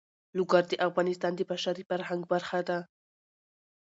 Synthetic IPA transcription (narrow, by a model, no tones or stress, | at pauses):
lʊɡaɾd̪əʔafɣɑnɪst̪ɑnd̪əbaʃaɾifaɾhaŋɡbaɾxad̪a